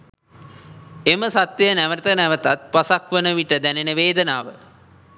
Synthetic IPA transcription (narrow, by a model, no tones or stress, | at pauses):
eməsat̪jənæʋət̪ənæʋət̪at̪̚pasakʋənəʋiʈəd̪ænenəʋeːd̪ənaːʋə̰